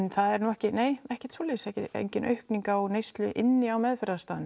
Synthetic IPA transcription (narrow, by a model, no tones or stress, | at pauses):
nθaðɛɾnuɛhcɪneːjɛhcɛ̥t̪sɔːlɛːsɛhcɪḛjɲcɪnʔœ̰ɥhkniŋkaɔɣnejst̪lʏʔɪnːɪawmɛːðfɛɾðast̪aːðʏn